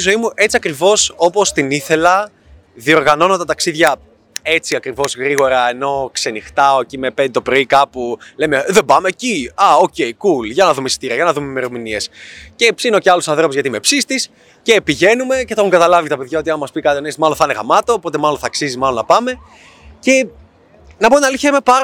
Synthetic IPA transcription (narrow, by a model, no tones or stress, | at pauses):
izo̞imuʔe̞t͡siɐkɾivo̞so̞po̞st̪iniθe̞lɐ | ðio̞ɾɣɐno̞not̪ɐt̪ɐksiðʝɐ | e̞t͡siɐkɾivo̞zɣɾiɣo̞ɾɐeno̞kse̞nixt̪ɐocime̞pend̪t̪o̞pɾo̞ikɐpulemeðebɐme̞ciɐoce̞ikulʝɐnɐðumesi̥t̪iɾiɐʝɐnɐðumeme̞ɾominie̞sce̞psino̞ceɐlusɐnθɾo̞puzʝɐt̪ime̞psist̪is | ce̞piʝe̞nume̞ceθoxuŋɡɐt̪ɐlɐvit̪ɐpe̞ðʝaɐo̞t̪iɐmmɐspikɐt̪ionest̪mɐlonθɐneɣɐmɐt̪o̞po̞t̪e̞mɐlonθɐksizimɐlonɐpɐme̞ | ce̞ | nɐponɐliçemepɐɾ